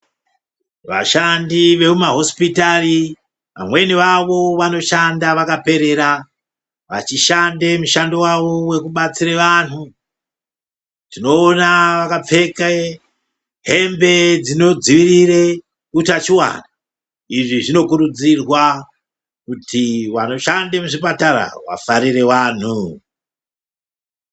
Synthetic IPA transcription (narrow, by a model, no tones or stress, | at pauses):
ʋa̰ʃandiʋe̞kumaɦo̞spitari | ʋa̰mwe̞niʋaʋo̞ʋano̞ʃandaʋakape̞ɾe̞ɾa | ʋat͡ʃiʃande̞muʃando̞waʋo̞we̞kuɓat͡siɾeʋanu | tino̞ːnaʋakap͡fe̞ke | ɦe̞mbe̞d͡zino̞d͡ziʋirire | kutat͡ʃiwa̰na | iʐiʐino̞kuɾud͡zirwa | kutʰiwano̞ʃandemuʐipataɾa̰wa̰faɾire̞waːn̤u